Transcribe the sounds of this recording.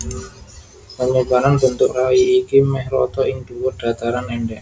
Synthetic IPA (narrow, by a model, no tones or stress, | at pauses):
pəɲubaɾanbənt̪ʊk̚rawiːkimɛhɾɔ̰t̪ɔɪŋd̪̥uwʊrd̥a̤t̪aɾanɛɳɖɛʔ